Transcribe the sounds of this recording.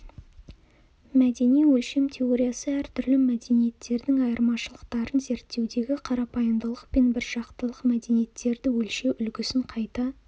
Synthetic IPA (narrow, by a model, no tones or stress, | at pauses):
mæd̪e̞nijwɵlʃe̞mt̪ʲʰe̞o̞ɾʲijasəæɾt̪ʰʏɾlɪmæd̪e̞nije̞t̪ːe̞ɾd̪ɪŋɑjəɾmɑʃəlˠəqt̪ɑɾənze̞ɾt̪ːe̞wd̪e̞ɡʲɪqʰɑɾɑpɑjənd̪əlˠəq̚pe̞nbɪɾʒ̥ɑqt̪əlˠəqmæd̪e̞nije̞t̪ːe̞ɾd̪ɪwɵlʃe̞ʔʏlɡʲɪsɪɴqʰɑjt̪ɑ